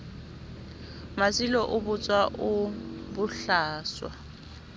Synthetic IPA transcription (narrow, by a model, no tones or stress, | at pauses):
masilɔʔʊbʊt͡sʼwaʔʊbʊɬaːswa̰